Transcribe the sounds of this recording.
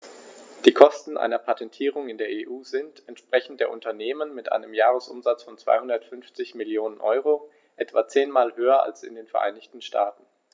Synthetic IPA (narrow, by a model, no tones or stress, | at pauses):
d̥iːkʰɔstn̩ʔa̰ɪnɐpʰatʰɛntʰiːʁ̞ʊŋɪndeːɐʔeːʔuːzɪntɛntʃpʁ̥ɛçn̩td̥eːɐʔʊntɐneːmənmɪtʔa̰ɪnəmjaːʁ̞əsʔʊ̰mzat͡sfɔnt͡sv̥a̰ɪhʊndɐtfʏnft͡sɪçmɪljoːnənʔɔʏʁo | ʔɛtv̥aːt͡seːnmaːlɦøːɐʔa̰lsɪ̰ndeːnfɛɐʔa̰ɪnɪçtn̩ʃtʰaːtn̩